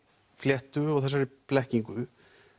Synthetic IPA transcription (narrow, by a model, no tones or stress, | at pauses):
fljɛht̪ʏɔɣθɛs̬aɾiplɛhciŋkʏ